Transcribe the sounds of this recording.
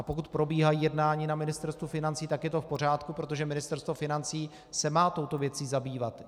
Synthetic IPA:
ʔapo̞kut̪̚pɾo̞biːɦajiːjɛdnaːɲiːnamɪnɪst̪ɛɾst̪vufɪnant͡siːt̪akjɛt̪o̞fpo̞r̝aːt̪kupɾo̞t̪o̞ʒɛmɪnɪst̪ɛɾst̪vofɪnant͡siː | sɛmaːt̪o̞wt̪o̞vjɛt͡siːzabiːvat̪

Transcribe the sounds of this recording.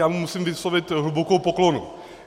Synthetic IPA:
jaːmumusimvɪslovɪt̪ɦlubokowpoklonu

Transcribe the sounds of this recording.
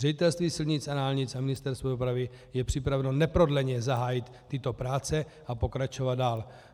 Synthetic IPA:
rɛɟɪt̪ɛlst̪viːsɪlɲɪt͡sanaːlɲɪt͡samɪnɪst̪ɛɾst̪vodopɾavɪ | jɛpr̝̥ɪpɾavɛno̞nɛpɾo̞dlɛɲɛzaɦaːjɪt̪ːɪt̪o̞pɾaːt͡sɛ | apo̞kɾat͡ʃo̞vad̪̚daːl

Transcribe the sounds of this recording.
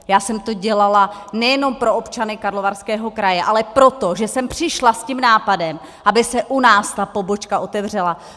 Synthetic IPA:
jaːsɛmt̪o̞ɟɛlalanɛjɛno̞mpɾo̞opt͡ʃanɪkaɾlo̞varskɛːɦo̞kɾajɛʔalɛpɾo̞t̪o̞ʒɛsɛmpr̝̥ɪʃlascimnaːpadɛm | ʔabɪsɛʔunaːst̪apo̞bo̞t͡ʃkaʔo̞t̪ɛvr̝ɛla

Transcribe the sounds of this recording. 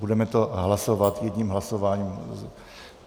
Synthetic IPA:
budɛmɛt̪oɦlaso̞vat̪jɛdɲiːmɦlasovaːɲiːm

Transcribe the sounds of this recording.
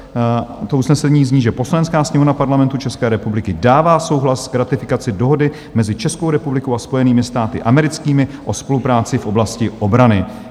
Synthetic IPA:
t̪ousnɛsɛɲiːzɲiːʒɛpo̞slaɲɛnskaːsɲɛmonapaɾlamɛnt̪ut͡ʃɛskɛːɾɛpublɪkɪdaːvaːso̞wɦlaskɾat̪ɪfɪkat͡sɪdo̞ɦo̞dɪ | mɛzɪt͡ʃɛsko̞wɾɛpublɪkowaspo̞jɛniːmɪst̪aːt̪ɪ̰ʔamɛɾɪt͡skiːmɪʔo̞spo̞lupɾaːt͡sɪfʔo̞blascɪʔo̞bɾanɪ

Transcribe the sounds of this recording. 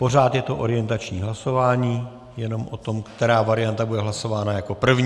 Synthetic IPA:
po̞r̝aːt̪jɛt̪o̞ʔo̞ɾɪjɛnt̪at͡ʃɲiːɦlaso̞vaːɲiː | jɛno̞mʔo̞t̪o̞mkt̪ɛɾaːvaɾɪjant̪abudɛɦlaso̞vaːnajako̞pr̩vɲ

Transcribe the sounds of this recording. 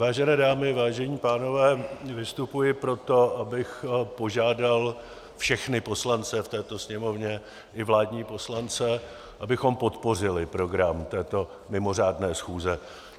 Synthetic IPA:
vaːʒɛnɛːdaːmɪvaːʒɛɲiːpaːno̞vɛːvɪst̪upujɪpɾo̞t̪o̞ʔabɪxpo̞ʒaːdal | fʃɛxnɪpo̞slant͡sɛft̪ɛːt̪osɲɛmo̞vɲɛ | ʔɪvlaːdɲiːpo̞slant͡sɛ | ʔabɪxo̞mpo̞t̪po̞r̝ɪlɪpɾo̞ɡɾamt̪ɛːt̪o̞ | mɪmo̞r̝aːdnɛːsxuːzɛ

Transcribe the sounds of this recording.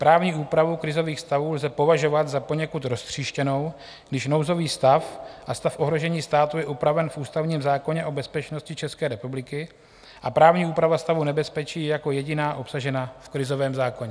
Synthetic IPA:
pɾaːvɲiːʔuːpɾavukɾɪzo̞viːxst̪avuːlzɛpo̞vaʒo̞vat̪zapo̞ɲɛkut̪ɾo̞st̪r̝̥iːʃcɛno̞w | ɡdɪʃnowzo̞viːst̪afʔast̪afʔo̞ɦɾo̞ʒɛɲiːst̪aːt̪ujɛʔupɾavɛnfʔuːst̪avɲiːmzaːko̞ɲɛʔo̞bɛspɛt͡ʃno̞scɪt͡ʃɛskɛːɾɛpublɪkɪ | ʔapɾaːvɲiːuːpɾavast̪avunɛbɛspɛt͡ʃiːjɛjako̞jɛɟɪnaːʔo̞psaʒɛnafkɾɪzo̞vɛːmzaːko̞ɲɛ

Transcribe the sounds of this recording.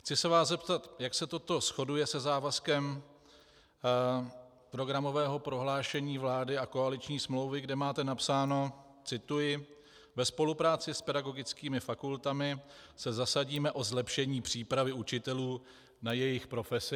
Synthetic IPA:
xt͡sɪsɛvaːszɛpt̪at̪jaksɛt̪o̞t̪o̞sxo̞dujɛsɛzaːvaskɛm | pɾo̞ɡɾamo̞vɛːɦo̞pɾo̞ɦlaːʃɛɲiːvlaːdɪʔako̞alɪt͡ʃɲiːsmlowvɪɡdɛmaːt̪ɛnapsaːno̞ | t͡sɪt̪ujɪ | vɛspo̞lupɾaːt͡sɪspɛdaɡo̞ɡɪt͡skiːmɪfakult̪amɪsɛzasaɟiːmɛʔo̞zlɛpʃɛɲiːpr̝̥iːpɾavɪut͡ʃɪt̪ɛluː | najɛjɪxpɾo̞fɛsɪ

